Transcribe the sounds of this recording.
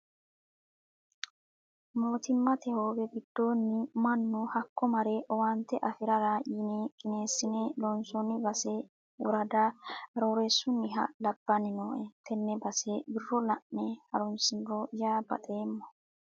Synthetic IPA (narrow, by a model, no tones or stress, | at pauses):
mo̞ːt̪ɪmːɐt̪ɛhoːbɛɡɪd̪̥ːo̞ːnːɪmɐnːʊhɐkːɔmɐɾɛʔɔwant̪ːɛʔɐfɪɾɐɾajiːneːkʼɪne̞ːsːɪnelɔnsɔnːɪbɐse | ʊ̰ɾɐd̪aɾoːɾesːʊnːɪɦɐ̰lɐb̥ːɐnɪnoːʔɛt̪ʰɛnːɛbɐsebɪrːɔlɐʔnɛhɐɾɔnsɪnɾojaːbɐ̰t̪ʼeːmːɔ̥